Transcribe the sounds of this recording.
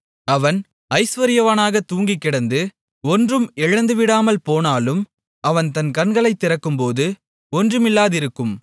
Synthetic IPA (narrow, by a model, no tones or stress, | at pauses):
ɐʋɐn | ɐɪsʋɐɾɪjɐʋɐːnaːɣɐt̪ːuːŋɡɪkːɪɽɐnd̪ɯ | ɔndrɯmɛɻɐnd̪ɯʋɪɽaːmɐlpoːnaːlɯm | ɐʋɐnt̪ɐnkɐnɡɐɭɐɪt̪ːɪɾɐkːɯmpoːðɯ | ɔndrɯmɪlːaːðɪɾɯkːɯm